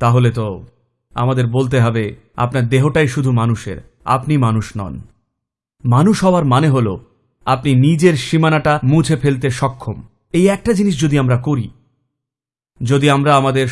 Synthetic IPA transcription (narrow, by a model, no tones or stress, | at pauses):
t̪aɦolet̪o | a̰mad̪eɾbolt̪̬eɦɔbe | a̰pnaɾd̪eɦoʈajʃud̪ʱumanuʃḛɾ | a̰pnimanuʃnɔ̰n | manuʃɦɔoaɾmaneɦolo | apninid͡ʑeɾʃimanaʈamũd͡ʑʱefelt̪̬eʃɔkʰːom | ejɛk̚ʈad͡ʑiniʃd͡ʑod̪iamɾakoɾi | d͡ʑod̪iamɾaamad̪eɾ